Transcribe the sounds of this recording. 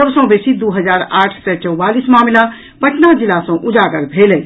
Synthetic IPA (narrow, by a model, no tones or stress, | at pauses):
əbsə̃besid̪uɦəd͡ʒaɾaʈʰsət͡ʃəwbalismamla | pəʈʰnad͡ʒilasə̃w̃ʔud͡ʒaɡəɾbʱelɛj